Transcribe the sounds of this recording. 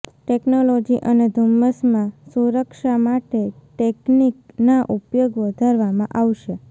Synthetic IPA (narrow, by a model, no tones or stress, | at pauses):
ʈeknolod͡ʒiʔəned̪ʱumːəsmãsuɾəkʃamaʈeʈekniknaʔupjoɡʋəd̪ʱaɾʋamã̰ʔaʋʃe